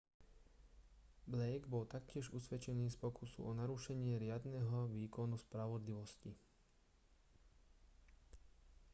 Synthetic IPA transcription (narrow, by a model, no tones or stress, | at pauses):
blɛjɡbɔlt̪akcɪɛʒusʋɛt͡ʃɛniːspɔkusṵʔɔnaɾuʃɛɲɪɛɾɪad̪nɛɦɔʋiːkɔnuspɾaʋɔd̪liʋɔsci